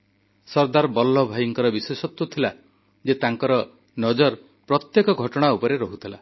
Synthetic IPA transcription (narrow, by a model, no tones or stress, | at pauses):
sɔɾd̪aɾbɔlːɔbʱajiŋkɔɾɔbiswesɔt̪wut̪ʰila | d͡ʒet̪aŋkɔɾɔ | nɔd͡ʒɔɾ | pɾɔt̪jekɔɡʱɔʈɔɽ̃aupɔɾeɾɔɦut̪ʰila